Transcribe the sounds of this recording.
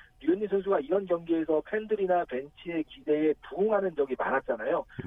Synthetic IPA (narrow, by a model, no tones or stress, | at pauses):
ɾueɲːisʰɯns̬ʰuɡaiɾʌnkjʌŋɡeesʰʌpʰe̞ndɯɾinape̞nt͡ɕʰie̞kide̞ːpuɡoŋɦanɯnd͡ʑʌɡimaɾat̚t͡ɕ͈anajo